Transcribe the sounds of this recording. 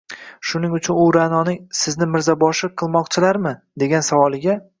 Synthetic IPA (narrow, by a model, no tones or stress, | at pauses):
ʃʊnɪŋʊt͡ʃʰʊnʊɾanɒnɪŋsɪznɪmɪɾzabɒʃɪqʰɨlˠmɒqt͡ʃʰɪlaɾmɪd̪e̞ɡʲansavɒlˠɪɡʲa